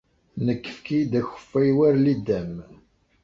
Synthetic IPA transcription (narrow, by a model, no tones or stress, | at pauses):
nəkːə̥fkid̪æçə̥fːæjwæɾlid̪ːæm